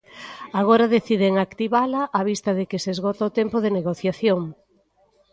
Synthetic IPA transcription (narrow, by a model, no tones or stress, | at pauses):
aɣ̞oɾaðeθiðeŋakt̪iβalɐʔaβ̞ist̪ɐðɪkɪsezɣɔt̪aot̪ɛmpʊðeneɣoθjaθjoŋ